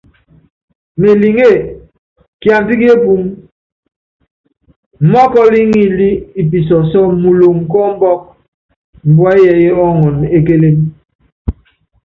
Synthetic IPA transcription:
me˨li˨ŋe˦˨ | kja˨n˨ti˦ki˦e˦pu˦m | m̩˨mɔ˦kɔ˦li˦ŋi˦li˦i˨p̬i˨sɔ˨sɔ˦mu˨lo˨ŋ˨kɔ˦m̩˦bɔ˦k̚ | m̩˨bwa˦jɛ˨e˦ɔ˦ŋɔ˨ne˦k̬e˦le˦m

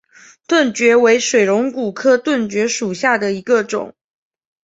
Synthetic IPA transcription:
t̪wə˥˩nt͡ɕɥɛ˧˥we˧˥ɪʂwe˨˩ɪɻʊ˧˥ŋku˨˩kʰɤ˥˧t̪wə˥˩nt͡ɕɥɛ˧˥ʂu˨˩ɕja˥˩d̪ə˩i˧˥ɡə˧ʈ͡ʂʊ̰˨˩˦ŋ

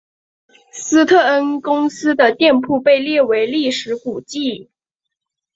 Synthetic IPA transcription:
sɹ̩˥t̪ʰɤ˥˩ə˥nkʊ˥ŋsɹ̩˥d̪ə˨t̪jɛ˥˧npʰu˥˧pe˥˧ɪljɛ˥˩we˧˥ɪli˥˩ʂɻ̩˧˥ku˨˩t͡ɕi˥˩

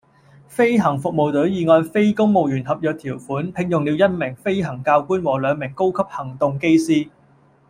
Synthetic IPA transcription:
fe˥jɦɐ˨˩ŋfʊ˨k̚mo˨wt̪ɵ˨˥jiː˨˧ŋɔː˧jfe˥jkʊ˥ŋmo˨wjyː˨˩nɦɐ˨p̚jœː˨k̚t̪ʰiː˨˩wfuː˨˥npʰɪ˧ŋjʊ˨ŋli˨˧wjɐ˥n̚mɪ˨˩ŋfe˥jɦɐ˨˩ŋkaː˧wkuː˥nwɔː˨˩lœː˨˧ŋmɪ˨˩ŋko˥wkʰɐ˥p̚hɐ˨˩ŋt̪ʊ˨ŋke˥jsiː˥

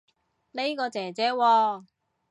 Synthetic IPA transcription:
le˥jkɔː˧t͡sɛː˨˩t͡sɛː˨˧˥wɔː˧

